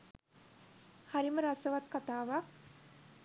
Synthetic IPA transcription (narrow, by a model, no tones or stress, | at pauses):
haɾiməɾasəʋat̪̚kat̪aːʋak